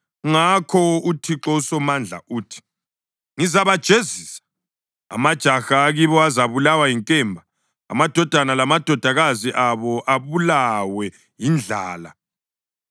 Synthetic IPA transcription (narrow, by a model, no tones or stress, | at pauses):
ŋakʰɔutʰiǁɔusɔmand͡ɮʱa̰uːtʰi̥ | ŋizaβad̥ʒ̥ʱeziːsḁ | a̰mad̥ʒ̥ʱaxaːɣiβɔazaβulawajiŋkʼɛmbʱa̰ː | mad̥ʱɔd̥ʱanalamad̥ʱɔd̥ʱaɣaziʔaβɔʔaβulawɛ | jind͡ɮʱaːla̰